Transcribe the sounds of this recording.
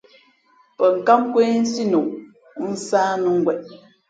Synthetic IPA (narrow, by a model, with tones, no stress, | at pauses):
pə˨ŋ̩˨ka˦mkwe˦n̩˦si˦nu˨ʔ | n̩˦saː˦nu˦ŋ̩˦ɡwɛ˨ʔ̚